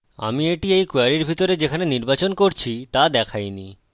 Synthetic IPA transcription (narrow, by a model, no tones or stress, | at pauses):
a̰mieʈiejkoaɾiɾbʱit̪oɾed͡ʑekʰaneniɾbat͡ɕonkoɾt͡ɕʰit̪ad̪ɛkʰajni